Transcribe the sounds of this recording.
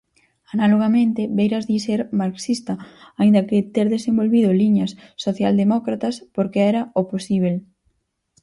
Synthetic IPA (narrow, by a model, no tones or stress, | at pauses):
analoɣ̞amẽnt̪ɪβejɾɐzðiseɾmaɾksist̪ɐaind̪ɐkɪt̪eɾðesẽmbolβiðʊliɲɐsːoθjald̪emokɾat̪ɐspoɾkeɛɾɐoposiβ̞el